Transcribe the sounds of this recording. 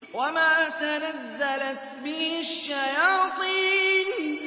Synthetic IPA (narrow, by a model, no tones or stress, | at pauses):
wamaːt̪anazːalat̪bɪhaʃːajɑːt̪ˤiːn